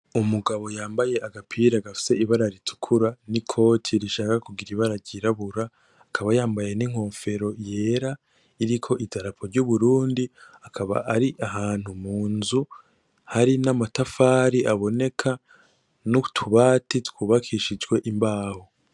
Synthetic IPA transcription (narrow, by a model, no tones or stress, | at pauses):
umuɡaβo̞jaːmbaje̞ʔaɡapʰiɾaɡafi̥se̞iβaɾaɾitʰu̥kʰuɾanikʰo̞ːtʰiɾiʃaːkakuɡiɾiβaɾaɾɟiɾaβuɾaː | kʰaβajaːmbaje̞niŋ̥ho̞ːɱfe̞ɾo̞je̞ːɾa | iɾikʰo̞ʔidaɾapʰo̞ɾɟuβuɾuːndiakʰaβa̰ʔaɾiʔaɦaːn̥humuːnzu | haɾinamatafaːɾiʔaβo̞ne̞kʰa | nutʰuβaːtitwuːβakʰiʃid͡ʒɡwe̞ʔimbaːho